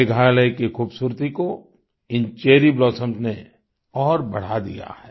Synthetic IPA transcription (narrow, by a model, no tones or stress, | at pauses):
eɡʱaːləikixuːbsuːɾt̪iko | ɪnt͡ʃeːɾiblɔːsə̃msne | ɔːɾbɐɽ̤ad̪ḭja̰hɛː